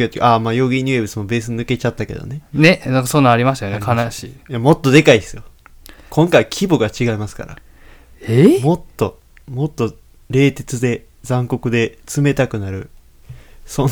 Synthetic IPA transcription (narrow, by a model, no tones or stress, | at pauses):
ot̪ekamaːjo̞ːɡʲiɲ̟iebɯsɨmo̞be̞ːs̬ɨɲnɯ̟ke̞t͡ɕat̪ːake̞̰d̪o̰ne̞ne̞nãŋkaso̞nːãaɾʲimaɕ̬t̪ajonekʰanaɕijamo̞t̪ːo̞d̪e̞kaisɨjo | kʰõ̞ŋkaikʲʰibo̞ɡat͡ɕiɡaimasɨ̥ka̰ɾa̰ | emo̞t̪ːo̞ | mo̞t̪ːo̞ | ɾe̞ːt̪e̞t͡sɨd̪e̞ | d͡zãŋko̞kɯ̟d̪e̞t͡sɨme̞t̪akɯ̟naɾɯ̟ | sõ̞n